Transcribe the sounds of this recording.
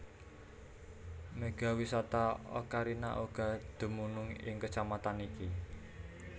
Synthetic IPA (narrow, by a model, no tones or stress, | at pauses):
meɡ̥a̤wisat̪aɔ̰kaɾina̰ʔoɡ̥a̤d̪̥ṳmunʊŋɪ̰ŋkət͡ʃamat̪aniki